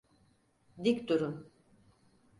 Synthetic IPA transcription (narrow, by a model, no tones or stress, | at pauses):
d̪ikʲd̪uɾun